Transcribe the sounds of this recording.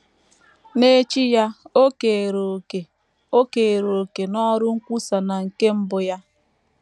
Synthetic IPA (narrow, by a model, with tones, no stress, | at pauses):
ne˦t͡ʃi˦ja˦o˦ke˨ɾo˨ke˨ | o˦ke˨ɾo˨ke˨nɔ˦ɾʊ˦ŋ̩˦kʷu˦sa˨na˨ŋ̩˨ke˦m̩˦bʊ˦ja˦